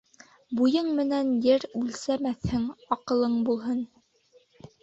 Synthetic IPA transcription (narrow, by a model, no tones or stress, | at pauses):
bujɤɴmɘ̆nænjɘɾʉlsæmæθhɘŋɑqɤ̆lˠɤɴbulˠɦɤn